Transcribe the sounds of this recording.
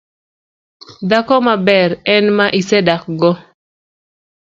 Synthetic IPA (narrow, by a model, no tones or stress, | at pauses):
d̪akɔmabɛɾɛnmaʔisɛdak̚ɡɔ